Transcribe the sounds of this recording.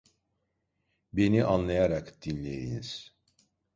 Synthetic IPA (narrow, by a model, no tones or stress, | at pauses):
be̞niʔanlˠajaɾakd̪̥inlʲejḭniz̥